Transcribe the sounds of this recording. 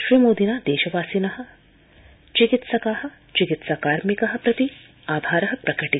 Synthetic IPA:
ʃɾimoːd̪inaːd̪eːʃɐʋaːsinɐɦɐ̆ | t͡ʃikit̪sɐkaːɦɐ̆ | t͡ʃikit̪sakaːɾmikɐɦɐ̆pɾɐt̪i | aːbʱaːɾɐɦɐ̆pɾɐkɐʈi

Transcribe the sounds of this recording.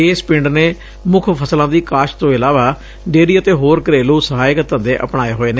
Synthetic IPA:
eːspɪɳɖneː | mʊkʰpʰəslãːd̪iːkaːʃt̪õːɪlaːʋaː | ɖeːɾiːət̪eːɦoːɾkəɾeːluːsəɦaːɪkət̪ə̃nd̪eːʔə̰pɳ̃aːeːɦoːeːne

